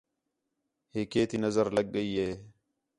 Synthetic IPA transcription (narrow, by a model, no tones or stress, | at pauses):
heːkeːt̪iːnəzəɾləɡ̚ːəiːeː